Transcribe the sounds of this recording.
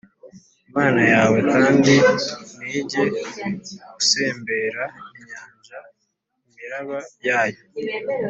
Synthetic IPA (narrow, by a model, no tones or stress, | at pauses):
imaːnajaːwe̞kaːndiniːɟe̞ | ɡuse̞ːmbe̞ːɾaiɲɲaːɲʒa | imiɾaβajaːjo̞